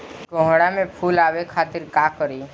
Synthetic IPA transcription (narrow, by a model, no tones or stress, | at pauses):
ɡõɦɽ̃amẽpʰuːlaːwekʰaːt̪ɪɾkaːkəɾiː